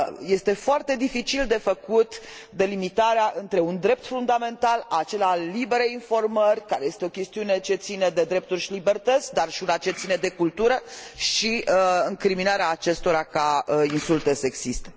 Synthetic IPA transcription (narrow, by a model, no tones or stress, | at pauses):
je̞st̪e̞foart̪e̞d̪ifit͡ʃild̪e̞fəkut̪d̪e̞limit̪aɾeaʔɨnt̪ɾe̞und̪ɾe̞p̚t̪fund̪ame̞nt̪alat͡ʃe̞lealibe̞ɾeinfo̞rmərʲkaɾe̞je̞st̪eo̞kʲe̞st̪iune̞t͡ʃe̞t̪sined̪e̞d̪ɾe̞p̚t̪urʲʃilibe̞rt̪ət̪sʲd̪arʃiunat͡ʃe̞t̪sine̞d̪e̞kult̪uɾəʃiɨŋkɾiminaɾeaːt͡ʃe̞st̪o̞ɾakaəinsult̪esəeɡzist̪e